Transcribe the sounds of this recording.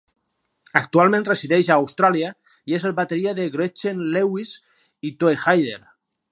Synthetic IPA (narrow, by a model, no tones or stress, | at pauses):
ak̚t̪ualˠmẽnresiðɛʃaːwst̪ɾalia | iezelˠβat̪eɾiaðeɣɾet͡ʃenlewiz | it̪oexajðeɾ